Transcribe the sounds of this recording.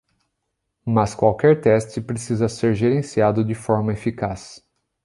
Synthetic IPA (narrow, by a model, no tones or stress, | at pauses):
mɐskwawkɛɾt̪ɛst͡ʃɪpɾesizɐseɾʒeɾẽsiad̪ʊd͡ʒɪfɔɾmɐefikas